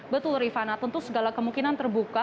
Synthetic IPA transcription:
bət̪ulɾifanat̪unt̪ʊsəɡalakəmuŋkinant̪ərbuka

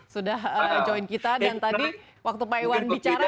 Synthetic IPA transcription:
sudaɦəd͡ʒoinkit̪adant̪adi | wak̚t̪upaiwanbit͡ʃaɾa

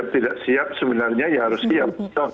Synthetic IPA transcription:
p̚t̪idaʔsiap̚səbənarɲajaɦaɾʊsiat̪a

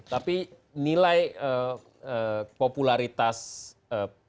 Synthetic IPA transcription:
t̪api | nilajə | əpopulaɾit̪as | ə

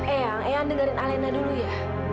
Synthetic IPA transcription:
eaŋʔeaŋdəŋaɾɪnalɛnaduluja

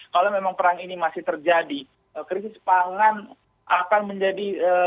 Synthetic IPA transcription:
kalomemaŋpəɾaŋinimasɪht̪ərd͡ʒadi | əkɾisɪspaŋan | akanməɲd͡ʒadiə

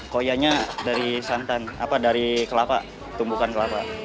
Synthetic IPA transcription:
kojaɲadaɾisant̪ana̰padaɾikəlapa̰ | t̪umbukankəlapa̰

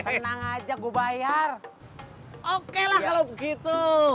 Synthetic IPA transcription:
t̪ənaŋad͡ʒaɡobajar | okelahkalobəɡit̪u

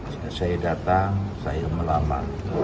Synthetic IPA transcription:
sasajadat̪aŋsajaməlama̰ŋ

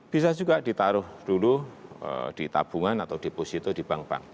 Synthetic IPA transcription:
b̥is̬ad͡ʒuɡad̥it̪aɾʊhd̥uluə̰d̥it̪a̰b̥uŋanat̪awd̥iposit̪ɔdib̥aŋb̥a̰ŋ

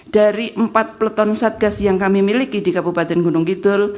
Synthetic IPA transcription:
d̥aɾiʔəmpat̪̚plət̪ɔnsat̪̚ɡasjaŋkamimilikidikabubat̪ɛnɡunʊŋkid̪ʊl

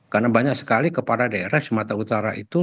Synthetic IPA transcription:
karnabaɲak̚sə̥kalikəpadadaeɾaht͡ʃəmat̪aut̪aɾaʔit̪u

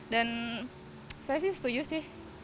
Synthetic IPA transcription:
dan | sajas̬ɪsə̥t̪ud͡ʒʊsɪh

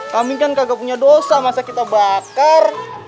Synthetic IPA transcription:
kamikankaɡapuɲadosamasakit̪abakar

